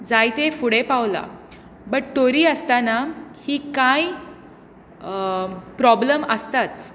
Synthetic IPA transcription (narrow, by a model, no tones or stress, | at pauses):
d͡zajt̪efuɽepawla̰ | bəʈʈoɾiːəst̪anahiːkaj | pɾɔbləməst̪at͡s